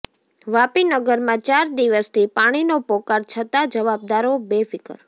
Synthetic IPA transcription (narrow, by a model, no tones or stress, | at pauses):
ʋapinəɡəɾmãt͡ʃaɾd̪iʋəst̪ʰipaɽ̃inopɔkaɾt͡ʃʰət̪ad͡ʒəʋab̚d̪aɾobefɪkə̰ɾ